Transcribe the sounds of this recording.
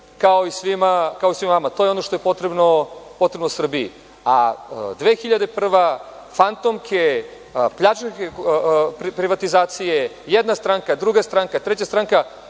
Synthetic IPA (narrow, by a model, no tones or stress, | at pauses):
kao̞isʋimakao̞isʋimvamat̪ojeo̞no̞ʃt̪ojepot̪ɾebnopo̞t̪ɾebnosr̩bijḭ | a̰d̪ʋeːxiʎad̪epr̩ʋa | fant̪omkʰe | pʎat͡ʃekepɾpɾiʋat̪izaːt̪sije | jed̪nast̪ɾaŋkad̪ɾuɡast̪ɾaŋkat̪ɾet͡ɕast̪ɾaŋka